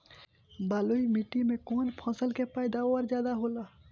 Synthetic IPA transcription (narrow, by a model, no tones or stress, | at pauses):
baːloːimiʈimẽkoːnpʰɔ̃ːsəlkepaːjd̪aɔːɾzjaːd̪aɦoːlaː